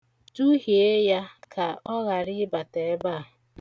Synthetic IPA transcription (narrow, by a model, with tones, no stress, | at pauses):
tu˦ɦi˨e˦ja˦kʰa˨ɔ˦ɣa˨ɾɪ˦ba˨te˨˦ba˦˨